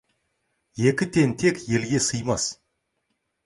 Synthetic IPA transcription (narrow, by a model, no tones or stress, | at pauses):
je̞kʲɪt̪ʰe̞nt̪ʰe̞kʲje̞lɡʲe̞səjmɑs